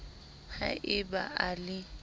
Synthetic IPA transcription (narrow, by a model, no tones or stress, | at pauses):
ha̰ʔɪbaʔalɪ